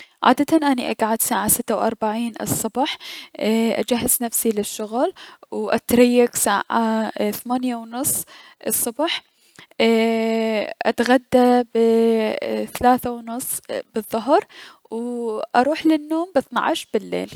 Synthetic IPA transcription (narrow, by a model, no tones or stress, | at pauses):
ʕa̰ːd̪at̪anʔaniʔaɡʕad̪saːʕasɪt̪ːawʔɑ̰ɾˤbaʕiːnɨ̰sˤːɑbɑħ | ʔa̰d͡ʒaɦːaznafsilɪʃːʊɣlwʔa̰t̪ɾajːaɡsaːʕaθamaːnjawnʊsˤː | ʔɨsˤːʊbħ | ʔa̰t̪ɣad̪ːabɪ | θalaːθawnʊsˤːbɨðˤːʊɦɾˤ | wʔɑɾˤuːħlɪnːoːmbɪθnɑ̰ʕʃɾbɪlːḛːl